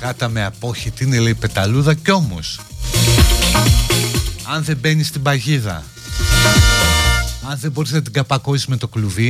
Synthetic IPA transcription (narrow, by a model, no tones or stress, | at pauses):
ɣɐt̪ɐmeɐpo̞çit̪iineleipe̞t̪ɐluðɐco̞mo̰s | ɐnðe̞be̞nist̪ibɐʝiðɐ̰ | ɐnðe̞bo̞ɾisenɐt̪̬iɡɐpɐko̞sizme̞t̪o̞kluvi